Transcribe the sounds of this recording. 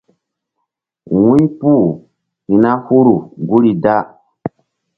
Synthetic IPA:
wũ˦ɲpu˦˨ | hi˨na˦hu˦ɾu˨ɡu˦ɾi˨da˦

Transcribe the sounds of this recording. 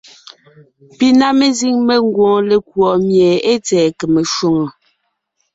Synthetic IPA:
pi˦na˦me˦zi˦ŋme˦ŋ˦ɡwɔ̃ː˨le˨kwɔ˨mjɛ˨e˦t͡sɛː˨ke˨me˨ʃwo˦ŋo˨

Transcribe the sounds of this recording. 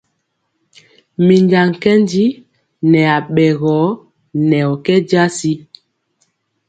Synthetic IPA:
mi˨nda˨ŋ˨kɛ˦ndi˦ | nɛ˨a˨ɓɛ˨ɣɔ˨˦ | nɛ˨ɔ˨kɛ˦d͡ʒa˦si˦

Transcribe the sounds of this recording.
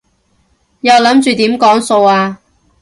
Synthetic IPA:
jɐ˨wlɐ˨˥mt͡ʃyː˨t̪iː˨˥mkɔː˨˥ŋso˧waː˧

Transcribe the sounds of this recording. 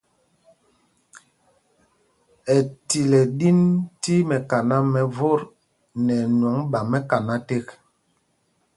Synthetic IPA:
ɛ˨ti˨lɛ˨ɗi˦nti˦mɛ˨ka˨na˦mɛ˨vo˦˨ɾ | nɛ˨n˨ɔ˨˦ŋɓa˨mɛ˦ka˨na˦te˦k

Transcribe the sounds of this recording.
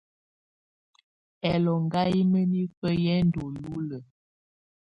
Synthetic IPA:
ɛ˨lɔ˨ŋɡa˦i˦mə˦ni˦fə˦jɛ˦n˦do˨lu˦lə˨

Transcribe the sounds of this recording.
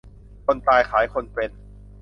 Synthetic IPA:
kʰo˧nt̪aː˧jkʰaː˩˦jkʰo˧npe˧n

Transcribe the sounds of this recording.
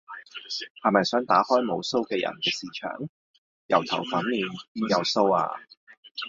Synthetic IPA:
hɐ˨jmɐ˨jsœː˨˥ŋt̪aː˨˥hɔː˥jmo˨˧wso˥wkɛː˧jɐ̰˨˩nkɛː˧siː˨˧t͡ʃʰœ̰ː˨˩ŋ | jɐ̰˨˩wt̪ʰɐ˨˩wfɐ˨˥nmiː˨˩njɐ˨˩wso˥wa̰ː˧

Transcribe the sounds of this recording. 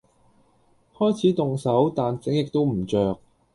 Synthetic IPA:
hɔː˥jt͡sʰiː˨˥t̪ʊ˨ŋsɐ˨˥wt̪aː˨nt͡sɪ˨˥ŋjɪ˨k̚t̪o˥wm̩˨˩t͡ʃœː˨k̚

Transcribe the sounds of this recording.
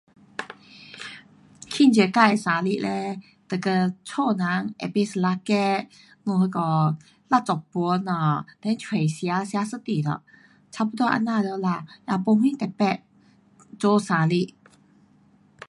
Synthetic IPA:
kʰi˥˨nt͡ɕɛ˨˩ka˥˩jsa˨˥li˥˧˨lɛ˧ | t̪ə˨˩kə˧t͡sʰɔ˥˨na˨˧˦ŋḛ˨˩pe˧˩sə˨˧la˧kɛ˥˧ | nũ˧hə˧kɔ˧˩ | la˥˧˨t͡sɔ˨˩pɔ˧˦na˧˩t̪ɛ˧˦nt͡ɕʰwe˨˩jsja˧˦sja˧˥sɨ˥t̪i˨˩d̪ə̰˧˨ | t͡sʰa˧˥˧pu˧˦t̪wɔ˥˧ʔa̰˧˥nːa˥˧˨ljla˧˩ja˧˩po˧˦mĩ˥˨t̪ɛ˨˩pɛ˥˧˨ | t͡so˧˦sa˧˦li˥˧˨ʔ

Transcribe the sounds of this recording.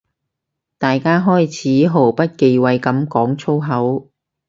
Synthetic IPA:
t̪aː˨jkaː˥ɦɔː˥jt͡sʰiː˨˥ɦo˨˩wpɐ˥t̚ke˨˧jwɐ˨jkɐ˨˥mkɔː˨˥ŋt͡sʰo˥wɦɐ˨˥w

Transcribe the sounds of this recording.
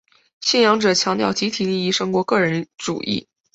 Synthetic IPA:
ɕɛ˥˩njɑ˧˥ŋʈ͡ʂɤ˨˩t͡ɕʰjɑ˧˥ŋt̪jʊt͡ɕi˧˥t̪ʰi˨˩li˥˧i˥˩ʂɤ˥ŋkwɔ˧˥kɤ˥˩ɻə˧˥nʈ͡ʂṵ˨˩ʔḭ˥˩

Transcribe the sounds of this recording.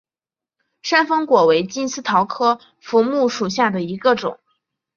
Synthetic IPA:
ʂa˥nfɤ˥ŋkwɔ˨˩we˧˥ɪt͡ɕi˥nsɹ̩˥t̪ʰɑ˧˥ʊkʰɤ˥ | fu˧˥mu˥˩ʂu˨˩ɕ̬ja˥˩d̪ə˩i˧˥ɡə˧ʈ͡ʂʊ̰˨˩˦ŋ

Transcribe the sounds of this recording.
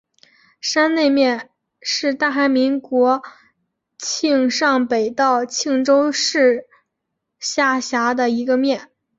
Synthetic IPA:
ʂa˥nne˥˧ɪmjɛ˥˧n | ʂɻ̩˥˧t̪a˥˩xa˧˥ɪmi˧˥ŋkwɔ˧˥ | t͡ɕʰi˥˧ŋʂɑ˥˩ŋpe˨˩ɪt̪ɑ˥˧ʊt͡ɕʰi˥˩ŋʈ͡ʂo˥ʊʂɻ̩˥˩ | ɕja˥˩ɕja˧˥d̪ə˧i˧˥ɡə˧mjɛ˥˩n

